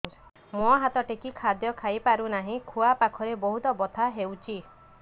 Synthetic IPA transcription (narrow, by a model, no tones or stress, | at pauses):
mũɦat̪ɔʈekikʰad̪jɔkʰajpaɾunaɦĩkʰuapakʰɔɾebɔɦut̪ɔbɔt̪ʰaɦewt͡ʃʰi